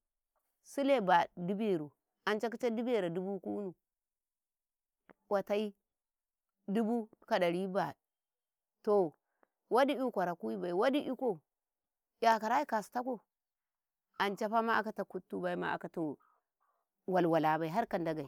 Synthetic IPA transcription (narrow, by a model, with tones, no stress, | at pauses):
su˦le˦ba˨du˦be˨ɾu˨ | a˨nt͡ʃa˦k̬i˦t͡ʃa˦du˦be˦ɾa˨du˦bu˦ku˦nu˨ | wa˨ta˦i˦ | du˦bu˦ka˨ɗa˨ɾi˦ba˨ | to˨ | wa˦di˦i˦kʷa˨ɾa˨ku˦i˦ba˨i˨wa˦di˦ʔi˦ko˨ | ja˨ka˨ɾa˦i˦ka˨sta˦ko˦ | a˨nt͡ʃa˦pa˦ma˦a˦ka˦ta˨ku˦tːu˦ba˦i˦ma̰˦a̰˨ka˨˦to˨ | wa˨lwa˨la˨ba˨i˨ɦa˦ɾka˨nda˦ɡa˨i˨